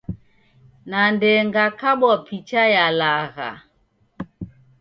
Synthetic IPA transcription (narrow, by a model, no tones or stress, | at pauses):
nandɛŋɡakaɓɔpʰit͡ʃajalaɣa̰